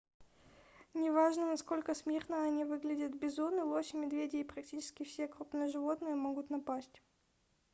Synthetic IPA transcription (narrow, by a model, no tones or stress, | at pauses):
nʲɪvaʐnənɐsko̞lʲkəsmʲernəɐnʲivɨɡlʲɪdʲət̪bʲɪzunɨlˠoɕmʲɪd̪vʲedʲɪːpɾɐktʲit͡ɕɪ̥skʲɪfsʲekɾupnɨjəʐɨvo̞t̪nɨjəmoɡʊt̪nɐpasʲtʲ